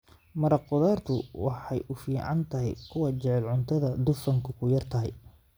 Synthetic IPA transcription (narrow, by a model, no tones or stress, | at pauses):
mɐɾɑqʊðaːrt̪ʰʊwɑħɑjʔʊfiːʕɑnt̪ʰɐɦɛ̰jkʰʊwɑt͡ʃɛʕɛlʕʊnt̪ʰɐðɐd̪ʊfɐŋkʰʊkʰʊjɐrt̪ʰɐɦɛj